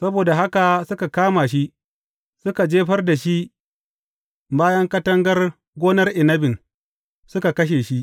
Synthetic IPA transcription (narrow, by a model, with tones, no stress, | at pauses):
sɐ˦boː˨da˨ɦa˦ka˨sʊ˦ka˨kaː˦ma˨ʃi˦ʔ | sʊ˦ka˨d͡ʒeː˦ɸɐ˦rda˨ʃi˦ | baː˦jɐ˦ŋkɐ˦tɐ˦ŋɡɐ˦r | ɡʷoː˦nɐ˦rʔɪ˨nɐ˦bɪ˨n | sʊ˦ka˨kɐ˦ʃ̬eː˨ʃi˦ʔ